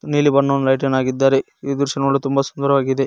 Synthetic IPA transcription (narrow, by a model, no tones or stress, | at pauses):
niːlibɐɳːoːnlɐjʈ̬ɐnaːɡid̪ːaːɾe | id̪uɾʂɐnɐɐɭːut̪umbɐsu̥nd̪ɐɾɐʋaːɡid̪e̞